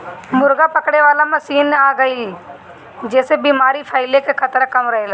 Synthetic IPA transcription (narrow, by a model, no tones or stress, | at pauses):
mʊɾɡapəkɽeʋaːlamɐsiːnaːɡəi | d͡ʒɛːsebiːmaːɾipʰaːɪlekekʰət̪ɾkɐmɾəɦelaː